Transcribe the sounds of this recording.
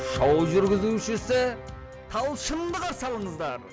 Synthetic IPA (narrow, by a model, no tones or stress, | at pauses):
ʃɑwʒʏɾɡʲɪzuʃɪsɪ | t̪ʰɑlˠʃəmd̪əʁɑsɑlˠəɴəzd̪ɑɾ